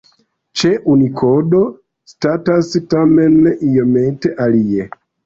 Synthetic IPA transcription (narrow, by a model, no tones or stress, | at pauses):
t͡ʃeʔunikʰodo | statastamenːʔijomenteʔalie